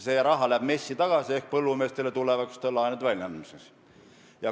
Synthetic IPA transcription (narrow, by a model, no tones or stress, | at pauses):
sejɑɾɑɦɑlæːb̥me̞sʲːit̪ɑɡ̥ɑsie̞hk̚pɤlːume̞ːst̪elet̪ulevɑkst̪olːɑjnud̪vælʲnɑnmises | jɑ